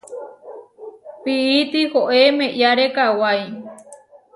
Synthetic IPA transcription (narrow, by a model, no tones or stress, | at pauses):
piit̪ihoʔemẽʔjaɾekawaj